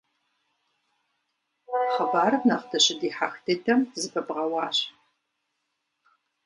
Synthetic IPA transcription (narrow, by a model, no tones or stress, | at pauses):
χɐbaːrɨnaːχdʰɐɕɪdiːħaxtʰetʰɐmzɨbʰɐbʁɐwɑːɕ